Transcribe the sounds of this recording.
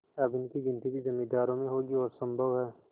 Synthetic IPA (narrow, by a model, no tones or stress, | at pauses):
ɐbɪnkiɡɪ̃nt̪ibʱizɐmːiːd̪aːɾõmẽɦoːɡiɔːɾsɐ̃mbʱəʋɦɛː